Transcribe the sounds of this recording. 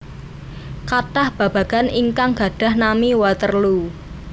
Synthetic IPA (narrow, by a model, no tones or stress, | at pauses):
kaʈahb̥ä̤b̥ä̤ɡ̥aniŋkaŋɡ̥a̤ɖ̥a̤hnamiwat̪ərlu